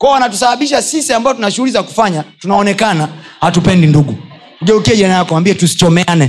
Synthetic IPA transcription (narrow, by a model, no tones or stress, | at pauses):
kɔɔwanatus̬aɓaɓiʃasisiambaɔtunaʃuulizaku̥faɲatunaɔnɛkana | hatupɛndinduɡu | ɡɛukiɛʄanajakwambiɛtusi̥t͡ʃɔmɛanɛ